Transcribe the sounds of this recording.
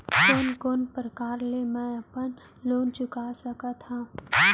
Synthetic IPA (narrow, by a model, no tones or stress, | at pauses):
koːnkoːnpɾəkaːɾlemɛ̃ɐpən | loːnt͡ʃʊkasɐkat̪ʰaː